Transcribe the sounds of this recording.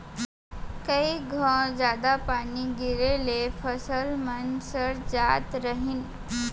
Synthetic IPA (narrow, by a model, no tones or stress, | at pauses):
kəiɡʱəɾd͡zad̪apaɽ̃iɡiɾelefəsəlmənsəɽd͡zat̪ɾəɦiːn